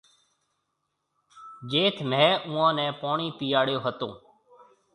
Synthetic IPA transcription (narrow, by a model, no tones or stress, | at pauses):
d͡ʒeːt̪ʰmɛ̃ːʊ̃ːãːnɛ̃ːpaːɳiːt̪ijaːɽjoːɦət̪õː